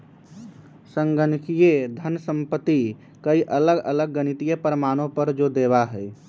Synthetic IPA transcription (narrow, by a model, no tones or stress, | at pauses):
səŋɡənkijed̪ʱənsə̃mpət̪ːi | kəiʔələɡə̰ləɡ̚ːənit̪ijepəɾəmaɽ̃õpəɾd͡ʒod̪ebaɦɛɪ